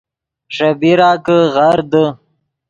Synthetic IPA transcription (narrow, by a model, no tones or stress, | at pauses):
ʂɐbiɾaːkəʁaɾd̪ə